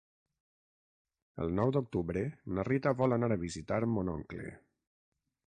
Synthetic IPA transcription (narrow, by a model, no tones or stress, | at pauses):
ə̰lˠnɔwd̪uk̚t̪uβɾənərit̪aβɔlənaɾəβizit̪aɾmonɔŋklḛ